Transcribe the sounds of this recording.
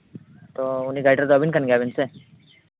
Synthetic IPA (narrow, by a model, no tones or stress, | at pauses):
t̪ouniɡajʈəɾd̪obʱinkənɡjabinse